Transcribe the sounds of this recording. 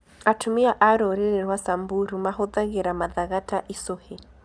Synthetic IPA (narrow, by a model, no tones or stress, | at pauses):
atʰumiaʔaɾɔɾɛɾɛɾwasambuɾumaɦɔðaɣɛɾamaðaɣataʔisɔhɛ